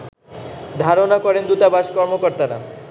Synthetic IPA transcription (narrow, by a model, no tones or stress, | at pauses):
d̪ʱaɾonakɔɾend̪ut̪abaʃkɔɾmokɔɾt̪aɾa̰